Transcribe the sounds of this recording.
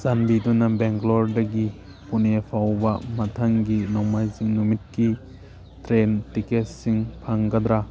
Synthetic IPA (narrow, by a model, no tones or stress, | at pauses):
zanbidunɐbeŋklɔɾdɐɡi | punepʰawbɐmɐtʰaŋɡinɔwmajziŋnumit̚ki | tɾentiketsiŋpʰaŋɡɐd̪ɾa